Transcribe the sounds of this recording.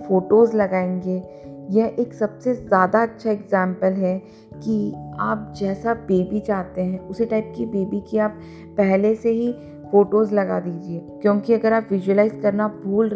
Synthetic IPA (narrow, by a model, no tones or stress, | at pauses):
foːʈoːzlɐɡaːẽːŋɡeː | jɛɦʔeːksɐbsezjaːd̪aɐtːʃʰaɪɡzɛ̃ːmpəlɦɛ | kiaːp̚d͡ʒɛːsabeːbit͡ʃaːt̪eɦɛ̃ʊsiʈaːɪp̚kibeːbikiaːpː | ɛɦleseɦi | foːʈoːzlɐɡa̰d̪iːd͡ʒieːkjõːkiɐɡəɾaːpʋɪʒuəlaːɪzkɐɾnabʱuːlɾ